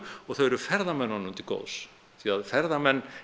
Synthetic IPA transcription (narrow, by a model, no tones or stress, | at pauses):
ɔɣθœɥɛɾʏfɛɾðamɛnːhɔnːʏmt̪ɪko̰ːws | θiaðfɛɾðamɛnː